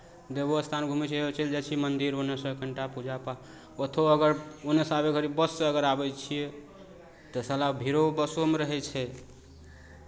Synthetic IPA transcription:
d̪eboəst̪ʰanɡʱumɛt͡ʃʰɛt͡ʃeld͡ʒet͡ʃʰimənd̪iɾonəsəkəɳʈapud͡ʒapa | pət̪ʰoəɡəɾonesabeɡʱəɾibbəsːeəɡəɾabɛt͡ʃʰie | t̪əsəlabʱiɾobəsomeɾəɦɛt͡ʃʰɛ

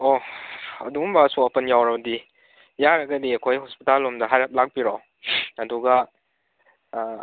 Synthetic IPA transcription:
ɔ | ɐdumbɐsɔapɐnjawɾɐbɐdi | jaɾɐɡɐdiɐkʰojhɔspitalːɔmdɐɦajlap̚lak̚piɾɔw | ɐduɡa

